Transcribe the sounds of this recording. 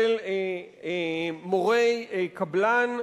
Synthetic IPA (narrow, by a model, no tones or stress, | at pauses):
el | moʁejkablan